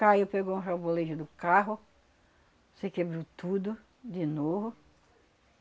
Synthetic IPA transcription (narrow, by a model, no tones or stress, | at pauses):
kajupeɡowũɦawboleʒʊd̪ʊkaɦʊ | sekebɾiwt̪ud̪ʊ | d͡ʒɪnovʊ